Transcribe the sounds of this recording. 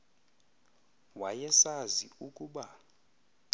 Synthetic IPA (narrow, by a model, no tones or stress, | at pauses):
wajɛsaziukʼuɓa